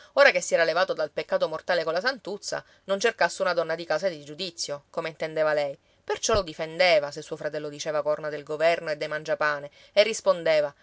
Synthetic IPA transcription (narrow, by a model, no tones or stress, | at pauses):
oːɾakesːjɛːɾalevaːt̪od̪alpekːaːt̪omort̪aːlekolas̬ant̪ut̪sːa̰ | nont͡ʃerkasːeunad̪ɔnːad̪ikaːsad̪id͡ʒud̪it̪sːjokomeint̪end̪eːvalɛj | pert͡ʃɔlod̪ifend̪eːvasesːuofɾat̪ɛlːod̪it͡ʃeːvakornad̪elɡovɛrnoed̪ːejmand͡ʒapaːne | erːispond̪eːva